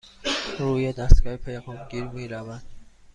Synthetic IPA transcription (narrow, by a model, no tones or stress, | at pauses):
ɾuːjed̪æst̪ɡ̥ɒːhepʰejɡuːmɡiːɾmiːɾævænd̪̥